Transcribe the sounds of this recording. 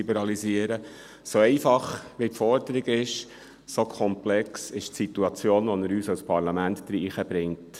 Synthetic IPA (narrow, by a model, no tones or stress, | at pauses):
ibɛɾɑliziəɾə | soɛɪfɑχʋitfɔɾd̪əɾiɡɪʃ | sokʰɔmplɛksɪʃtsituɑt͡sjoːnʋɔnəɾyːsawspʰɑɾlɑmæntd̥̪ɾiːχəb̥ɾɪŋt